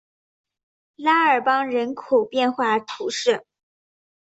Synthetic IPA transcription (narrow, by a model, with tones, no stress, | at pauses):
la˥ə˞˨˩pɑ˥ŋɻə˧˥nkʰu˨˩pjɛ˥˧nxwa˥˩t̪ʰu˧˥ʂɻ̩˥˩